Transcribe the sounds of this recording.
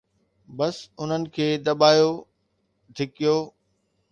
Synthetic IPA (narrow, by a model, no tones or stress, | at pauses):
bɐsʊn̤ənɪ̆kʰeːd̪ɐbaːjo | d̪ʱɪkijoː